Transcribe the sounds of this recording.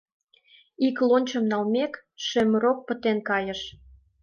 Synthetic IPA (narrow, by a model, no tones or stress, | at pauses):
iklonʲt͡ɕə̆mnɑlmek | ʃĕməɾok̚pə̆t̪enkɑjə̆ʃ